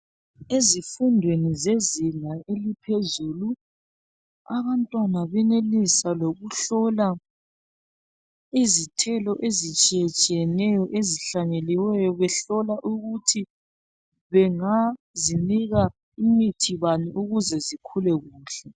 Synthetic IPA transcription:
ezifundʱwenizeziŋaʔelipʰezuːlu | aβantʼwanaβɛnelisaloɣuɬɔla | izitʰɛlɔʔezit͡ʃʼijɛt͡ʃʼijɛnɛjɔʔeziɬaɲeliwɛjɔβɛɬɔlaʔuɣutʰi | βɛŋa | ziniɣa | imitʰiβaniʔuɣuzɛzikʰulɛɣuːɬɛ

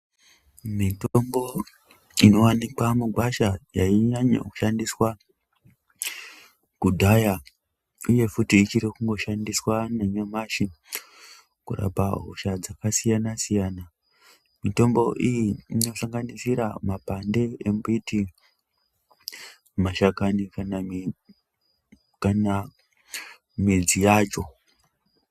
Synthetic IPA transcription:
mitombo̞ | ino̞wanikwamuɡʱwaʃajaiɲaɲa̰ku̥ʃandiswa | kudʱaja | uje̞futiːt͡ʃiɾikuŋɡo̞ʃandiswaneɲomaʃi | kura̰paɦo̰ʃad͡zakasijanasijaːna | mito̞mbo̞ʔijiino̞saŋɡanisiɾamapande̞embiti | maʃakanikana | kana | mid͡zijaːt͡ʃo̞

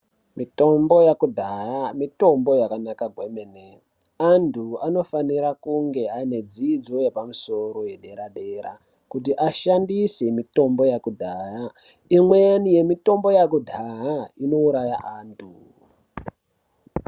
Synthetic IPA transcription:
mito̞mbo̞jakudʱaɦamito̞mbo̞jakanakaɡʱwemene | andʰʱuano̞faniɾakuŋɡe̞aine̞d͡ziːd͡zo̞je̞pamuso̞ɾo̞je̞ɗe̞ɾaɗe̞ra̰ | kut̬iʔaʃandisemito̞mbo̞jakudʱaa | imwejanije̞mito̞mbo̞jakudʱaɦaino̞uɾaja̰ʔaːntʰu

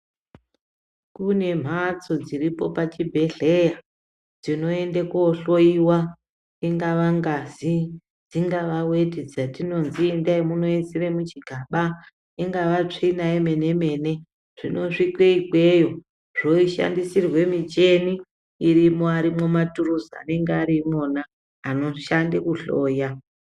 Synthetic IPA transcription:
kune̞m̤at͡so̞d͡ziripo̞pat͡ʃibʱe̞ɬe̞ja | d͡zino̞endekuoɬo̞iwa | iŋɡaʋaŋɡazi | d͡ziŋɡaʋawetid͡zatino̞nziendaimuno̞isiremut͡ʃiɡʱaɓa | iŋɡaʋat͡ʂinaime̞ne̞me̞ːne̞ | ʐ̥ino̞ʂikweikwejo̞ | ʐo̞iʃa̰ndisirwe̞mit͡ʃeniː | rimoaɾimo̞maturuzaa̰ne̞ŋɡeaɾimonaː | no̞ʃandekuɬoːja

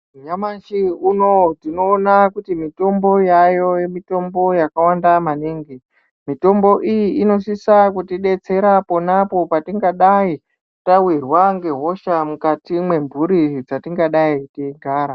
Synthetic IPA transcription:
ɲamanʃiuno̞tino̞ːnakutimito̞mbo̞jajo̞je̞mito̞mbo̞jakawandamaniŋɡi | mito̞mbo̞ʔijiʔino̞sisakutiɗe̞t͡se̞ɾapo̞napo̞patiŋɡaɗai | tawirwaŋɡe̞ɦo̞ʃamukatimwe̞ɱbʱuɾid͡zatiŋɡaɗaitiɡʱaːɾa

